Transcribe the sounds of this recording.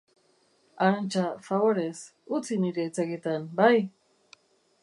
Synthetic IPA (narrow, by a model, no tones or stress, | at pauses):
aɾant͡ʃafaβoɾes | ut͡siniɾet͡saɡet̪anbaj